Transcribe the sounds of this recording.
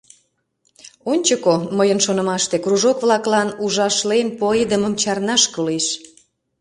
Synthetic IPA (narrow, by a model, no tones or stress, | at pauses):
onʲt͡ɕəkoməjənʃonə̆mɑʃt̪ekruʒokβlɑklɑnuʒɑʃlenpoed̪əməmt͡ɕɑrnɑʃkəleʃ